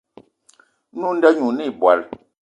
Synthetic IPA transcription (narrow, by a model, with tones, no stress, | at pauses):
nu˦n̩˦dɛ˦ɲu˨ni˦˨bwa̰˨l